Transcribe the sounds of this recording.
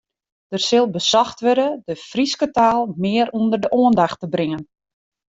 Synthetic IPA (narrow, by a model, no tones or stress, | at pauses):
d̥ərsɪlˠbəsɔxtʋøɾədəfriskətaːlˠmɪəɾundərdəʔoəndaxtəbrɪŋən